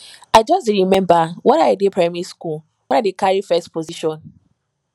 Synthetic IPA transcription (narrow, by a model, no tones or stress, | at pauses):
aɪd͡ʒɔstɹimɛ̃mbawɛ̃naɪdepʰɹamɛɹiskul | wɛ̃nadekaɹifɛstpoziʃɔ̃n